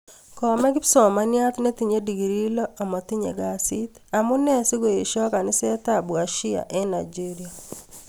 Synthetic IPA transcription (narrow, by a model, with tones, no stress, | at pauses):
kɔ˨mɛ˦ɡɪ˦psɔ˨ma˨˦nja˦t̪ne˦t̪i˨ɲe˦di˨ɡi˨ɾi˦lɔ˦a˨mɔ˨t̪i˦ɲḛ˨ɡa˨si˦t̪a˨mʊ˦nɛ˦si˦ɡo˨je˨ʃɔ˦ka˨nɪ˦sɛ˦t̪a˦bu˨a˨ʃi˦a̰˨ʔɛ˦na˨d͡ʒi˦ɾi˨a˨